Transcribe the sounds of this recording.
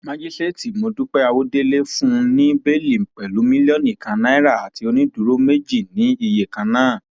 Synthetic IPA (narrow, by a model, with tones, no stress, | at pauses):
mã˦d͡ʒi˦ste˦ti˨mo˧du˦k͡pɛ˦a˧wo˦de˦le˦fũ˦˧nĩ˦be˦˨li˨ŋ͡m̩˨k͡pɛ˨lu˨˦mĩ˦lɔ˦nĩ˦˨kã˨˧nã˦ɛ˦ɾa˦˨a˨ti˨˧˦o˧nĩ˦du˨˦ɾo˦me˦d͡ʒi˦˨nĩ˨˦i˧je˨kã˨˧nãː˦˨